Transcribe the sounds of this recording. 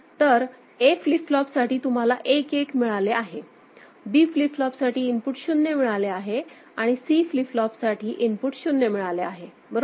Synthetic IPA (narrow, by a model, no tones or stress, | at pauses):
t̪əɾ | efliflɔpsaʈiːt̪um̤alaʔekekmiɭaleaɦe | biːfliflɔpsaʈiːnpuʈɕunːemiɭaleaɦe | aɽ̃isiːfliflɔpsaʈʰiːʔinpuʈɕunːemiɭaleaɦe | bəɾo